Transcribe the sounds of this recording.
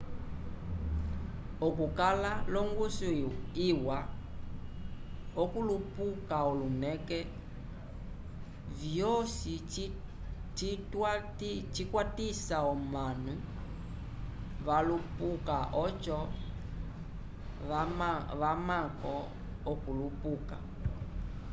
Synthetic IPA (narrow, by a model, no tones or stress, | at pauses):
ɔkukalalɔŋɡusuiwa | ɔkulupukaɔlunɛkɛ | vjɔsi | t͡ʃitatt͡ʃikwatisaɔmanu | βalupukaʔɔt͡ʃɔ | βamakɔ | ɔkulupuka̰